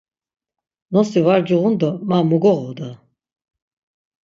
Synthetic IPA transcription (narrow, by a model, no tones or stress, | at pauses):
nɔsivaɾd͡ʒiʁund̪ɔmamuɡɔʁɔd̪a